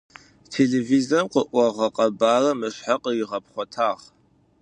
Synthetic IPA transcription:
tʰeːɮeːvizɐmqəʔʷɔʁɐqʼɐbaːrɐmɨɕħaqəjɪʁɐpχʷɔtʰaːʁ

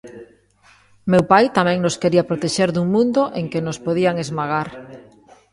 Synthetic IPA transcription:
mewpajt̪amɛ̃ŋnoskeɾiapɾot̪eʃeɾðuŋmũnd̪oʔeŋkenospoðiaŋezmaɣaɾ

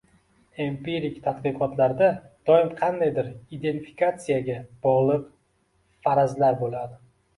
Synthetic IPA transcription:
empeɾikt̪ʰat̪qɨqʰɒt̪laɾd̪ad̪̥ɒɪmqʰɑnd̪ajd̪ɪɾid̪e̞nt̪fi̥kat̪sijaɡʲab̥ɒʁlˠɪp | faɾazlaɾbolad̪ɪ

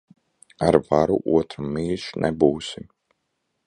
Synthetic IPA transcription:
aɾvaɾṵʔuɔt̪ɾamːiːʃnʔɛbuːsim

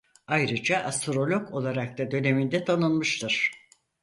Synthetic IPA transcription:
ajɾɯd͡ʒaʔast̪ɾo̞lʲo̞ko̞lˠaɾak̚t̪ad̪ø̞ne̞mind̪ɛt̪ʰanɯnmɯʃt̪ʰɯɾ̥

